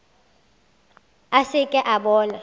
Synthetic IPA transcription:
asɪkʼɛʔaɓɔːla

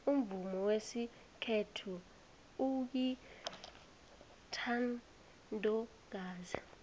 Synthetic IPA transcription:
um̩vumɔwesi | kʰetʰu | uk̬i | tʰan | ndʱʼɔ | ɡ̥̬aːzi

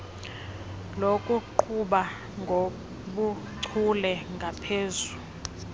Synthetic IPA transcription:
lokʼuǃʰuɓa | ŋɡʱo | ɓu | ǀʰulɛŋɡʱapʰeːzu

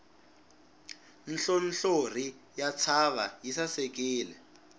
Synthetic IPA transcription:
n̩ɬon̩ɬor̤i | jat͡sʰaβajisasɛk̬iːlɛ

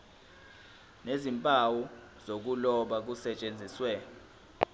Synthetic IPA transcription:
nezimpʼawu | z̥ok̬ulɔɓak̬usɛt͡ʃʼend͡zʱiswɛ

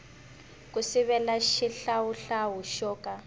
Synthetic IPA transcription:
kusiβɛlaʃiɬawuɬaɦuʃɔːka

